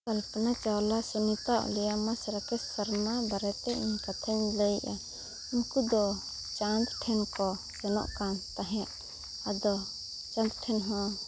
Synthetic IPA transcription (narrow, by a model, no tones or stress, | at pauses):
kalpnat͡ʃawlasɛnit̪aʔlɛjamasɾakɛssaɾmabaɾɛt̪ɛiɲkat̪ʰɛɲləjʔa | iɲkud̪ɔ | t͡ʃand̪ʈʰɛnkɔ | sɛnɔ̰ʔkant̪aɦɛjaʔ | ad̪ɔ | t͡ʃãnd̪̚ʈʰɛnɦɔ̃